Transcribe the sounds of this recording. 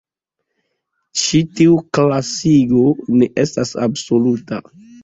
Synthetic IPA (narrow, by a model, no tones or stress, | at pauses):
t͡ʃitiuklasiɡo̞ne̞ʔe̞stasa̰bsoluta̰